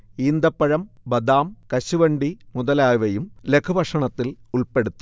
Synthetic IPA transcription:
iːnd̪ɐpːɐɻɐmbɐd̪aːmkɐɕuʋɐɳɖimuðɐlaːjʋɐjumlekʰubʱɐʂɐɳɐt̪ːiluɭpe̞ɽut̪ːu

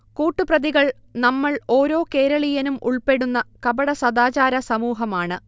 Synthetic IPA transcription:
kuːʈːuprɐðiɣɐɭ | nɐmːɐɭo̞ːɾo̞ːke̞ːɾɐɭijɐnumʔuɭpe̞ɽunːɐkɐbɐɽɐsɐd̪aːt͡ɕaːɾɐsɐmuːɦɐmaːɳɨ

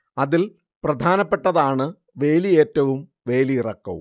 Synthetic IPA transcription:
ɐðil | prɐd̪ʱaːnɐpːe̞ʈːɐðaːɳɨ | ʋe̞ːlie̞ːtːɐʋum | ʋe̞ːliirɐkːɐʋṵm

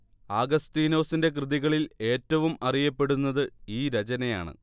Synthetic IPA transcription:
aːɡɐst̪iːno̞ːsinde̞k̬rɨðiɣɐɭile̞ːtːɐʋumɐrijɐpːe̞ɽunːɐðɨiːɾɐt͡ɕɐnɐja̰ːɳɨ̰

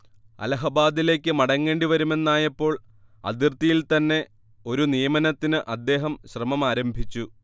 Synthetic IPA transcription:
ɐ̰lɐɦɐbaːd̪ile̞ːkʲːɨmɐɽɐŋːe̞ːɳɖiʋɐɾume̞nːaːjɐpːo̞ːɭ | ɐ̰d̪irt̪ijilt̪ɐnːe̞ | o̞ɾunijɐmɐnɐt̪ːinɨʔɐd̪ːe̞ːɦɐmɕrɐmɐmaːɾɐmbʱit͡ɕːu

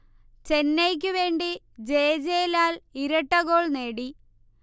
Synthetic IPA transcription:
t͡ɕe̞nːejk̬ʲːɨʋe̞ːɳɖi | d͡ʑeːd͡ʑeːlaːliɾɐʈːɐɣoːɭneːɽi

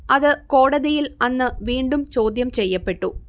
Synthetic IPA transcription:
ɐðɨko̞ːɽɐðijilɐnːɨʋiːɳɖumt͡ɕo̞ːd̪jɐmt͡ɕe̞jːɐpːe̞ʈːu

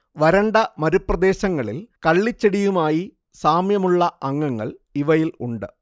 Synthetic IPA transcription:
ʋɐɾɐɳɖɐmɐɾuprɐd̪e̞ːɕɐŋːɐɭilkɐɭːit͡ɕːeɽijumaːji | saːmjɐmuɭːɐɐŋːɐŋːɐ̰ɭiʋɐjilṵɳɖɨ

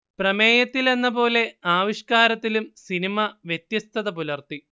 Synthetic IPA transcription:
prɐme̞ːjɐt̪ːile̞nːɐpo̞ːle̞aːʋiʂkaːɾɐt̪ːilumsinimɐʋjet̪jɐst̪ʰɐðɐpulɐrt̪i

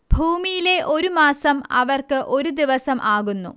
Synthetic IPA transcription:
bʱuːmijile̞ʔo̞ɾumaːsɐmɐ̰ʋɐrkɨʔo̞ɾud̪iʋɐsɐmʔaːɣunːṵ

